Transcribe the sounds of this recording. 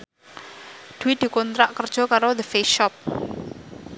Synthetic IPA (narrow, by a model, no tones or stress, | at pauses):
d̪̥uwid̪̥i̤kɔnt̪ɾaʔkərd̥ʒ̥ɔ̤kaɾod̪əfeʃɔp̚